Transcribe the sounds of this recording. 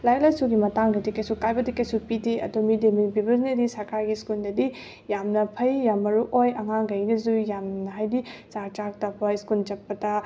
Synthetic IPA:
lajlajsuɡimɐtaŋdɐdikɐjsukajbɐdikɐjsupidiɐ̰dumideminpibɐznɐdisɐɾkaɾɡiskuldɐdi | jamnɐpʰɐjːamːɐɾuʔojɐŋaŋɡɐjnɐzujamnɐɦajdit͡ʃaɾt͡ʃak̚tɐpːɐskult͡ʃɐpːɐtɐ

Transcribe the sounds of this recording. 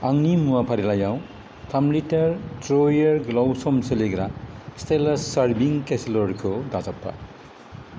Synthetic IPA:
aŋnimuapʰaɾilajaw̃ | t̪ʰamliʈɐɾʈɾojeɾɡlawsomseleɡɾast̪elɐsʌɾbiŋkesloɾkʰod̪azʌpːa̰

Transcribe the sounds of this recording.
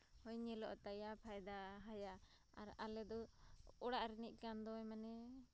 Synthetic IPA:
hɔjɲɛlɔʔt̪ajapʰajd̪aɦaja | a̰ɾalɛd̪ɔɔɽaʔɾɛniʔ̚ˀkand̪ɔjmanɛ

